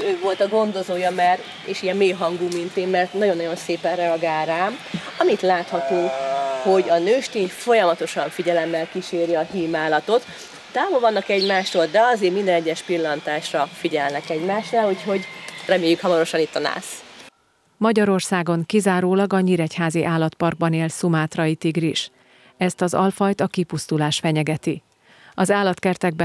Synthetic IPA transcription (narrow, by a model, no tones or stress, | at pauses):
øːvo̞lt̪ɒɡo̞nd̪o̞zoːjɒmɛr | ḛːʃijɛmmeːɦɒŋɡuːmint̪eːmmɛrt̪nɒɟo̞nːɒjo̞nseːpɛnrɛɒɡaːlɾaːmɒmit̪laːt̪hɒt̪oːho̞ɟɒnøːʃt̪eːɲfo̞jɒmɒt̪o̞ʃɒɱfiɟɛlɛmːɛlkiʃeːɾiɒɦiːmaːlɒt̪o̞t̪ | t̪aːvolvɒnːɒkɛɟmaːʃt̪old̪ɛɒzeːmmind̪ɛnɛɟːɛʃpilːɒnt̪aːʃrɒfiɟɛlnɛkɛɟmaːʃnaːluːcho̞ɟrɛmeːjːykhɒmɒɾo̞ʃɒnit̪ːɒna̰ːs | mɒɟɒɾo̞rsaːɡo̞ŋkizaːɾoːlɒɡɒɲiɾɛchaːziʔaːlɒt̪pɒrɡ̚bɒneːlsumaːt̪rɒjit̪iɡriʃ | ɛst̪ɒzɒlfɒjt̪ɒkipust̪ulaːʃfɛɲɛɡɛt̪i | ɒzaːlɒt̪kɛrt̪ɛɡ̚bɛ